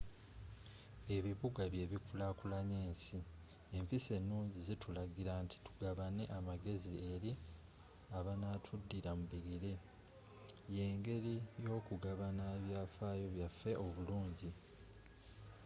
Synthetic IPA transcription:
e̞βiβuɡaβje̞βikulakulaɲeːnsi | e̞mpise̞nːuːɲɟizitʰulaɡiɾantʰi̥tu̥ɡaβane̞̰ʔamaɡe̞zie̞ɾi | aβanaːtʰudːiɾamuβiɡiɾe | je̞ːŋɡe̞ɾijo̞ːkuɡaβanaeβjaːfaːjo̞βjafːe̞ʔo̞βuluːɲɟi

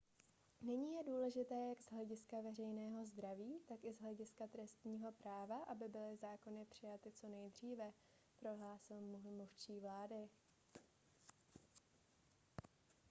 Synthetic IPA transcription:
nɛɲiːjɛduːlɛʒɪt̪ɛːjaɡzɦlɛɟɪskavɛrɛjnɛːɦo̞zd̪ɾaviːt̪akɪzɦlɛɟɪskat̪ɾɛst̪ɲiːɦo̞pɾaːvaʔabɪbɪlɪzaːko̞nɪpr̝̥ɪjat̪ɪt͡so̞nɛjd̪r̝iːvɛ | pɾo̞ɦlaːsɪlmmuft͡ʃiːvlaːdɪ

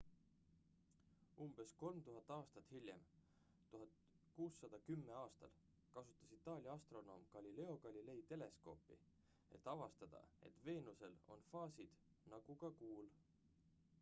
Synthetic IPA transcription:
umb̥e̞sko̞lmt̪uɦɑt̪ːˑɑːst̪ɑt̪ːˑhilʲjḛm | t̪uɦɑd̪ | kuːsːɑd̪̥ɑkymːe̞ɑːst̪ɑl | kɑsut̪ːˑɑsit̪ːˑɑːlʲiɑɑst̪ro̞no̞ːmkɑlʲile̞o̞ɡɑlʲile̞jt̪e̞le̞sko̞̰ːpḭ | e̞̰t̪ːˑɑvɑst̪ɑd̪̥ɑ̰e̞̰t̪ve̞ːnuse̞lo̞̰nfɑːsid̪̥ | nɑɡ̥ukɑkuːl

